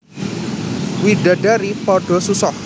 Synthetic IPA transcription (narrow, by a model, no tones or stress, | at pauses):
wiɖaɖaɾipɔɖ̥ɔsusɔh